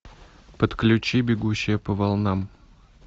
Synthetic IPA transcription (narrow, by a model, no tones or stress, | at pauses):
pət̪klʲʉt͡ɕibʲɪɡuɕːɪjəpəvɐlˠnam